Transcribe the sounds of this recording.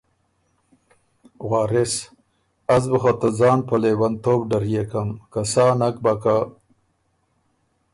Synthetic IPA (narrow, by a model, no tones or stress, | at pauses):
ɣwɑːɾɪs | azbəxat̪ad͡zɑːnpəlewant̪oːbɖaɾjekamkasɑːnak̚baka